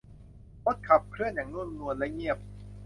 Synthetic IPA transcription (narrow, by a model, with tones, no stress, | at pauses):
ko˦˥t̪̚kʰa˨˩p̚kʰɾɯ˥˩ənjaː˨˩ŋnu˥˩˨n˧nu˧ənlɛ˦˥ŋi˥˩əp̚